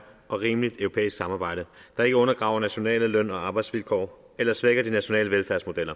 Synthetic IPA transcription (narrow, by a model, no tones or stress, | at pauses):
ʔɒ̽ʁiːmlid̥œʊʁopʰḛːisɡ̥sɑ̈mɑ̈ːb̥ɑ̈ɪ̰ɾ̥əd̥ɑ̈e̝ɡ̥əɔ̽nɐɡ̥ʁɑ̈ʊ̰ɐnæɕo̝nɛ̰ːləlœn̰ɒ̽ɑ̈ːb̥ɑ̈ɪd̥sʋilkʰɒ̰ː | elɐsʋeɡ̥ɐd̥inæɕo̝nɛ̰ːləʋelfæɐsmo̝d̥el̰ɐ